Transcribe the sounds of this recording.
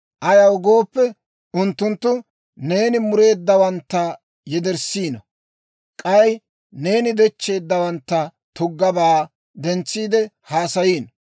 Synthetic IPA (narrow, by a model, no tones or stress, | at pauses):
ʔɐjɐwɡo̞ːpːɛ | ʊnt̪ːʊnt̪ːʊ | ne̞ːnɪmʊɾe̞ːd̪ːɐwɐnt̪ːɐ | jɛd̪ɛɾsiːnɐ | kʼɐj | ne̞ːnɪd̪ɛt͡ʃːe̞ːd̪ːɐwɐnt̪ːɐ | t̪ʊɡːɐbaː | d̪ɛnt͡sːiːd̪ɛ | haːsɐjiːn